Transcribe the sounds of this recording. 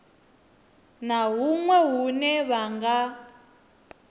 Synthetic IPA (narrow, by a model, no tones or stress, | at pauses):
naɦumwɛɦunɛβaŋɡa